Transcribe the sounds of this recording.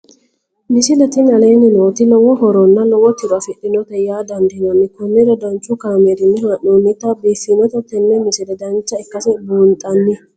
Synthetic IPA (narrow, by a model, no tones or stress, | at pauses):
mɪsɪlɛt̪ɪnɐle̞ːnɪnoːt̪ɪlɔwɔhɔɾɔnːɐnɔwɔt̪ːɪɾɐfɪɗːɪnɔt̪ɛjaːd̪ɐnd̪ɪnɐnːɪkʊnːɪɾɛd̪ɐnt͡ʃʼːʊkaːmeːd̪ɪnːɪɦaʔuːnːɪt̪ɐbiːfːinɔt̪ɛt̪ɛnːɛmɪsɪdɛd̪ɐnt͡ʃːɐɪkːɐsɛbuːnt̪ʼɐnːɪ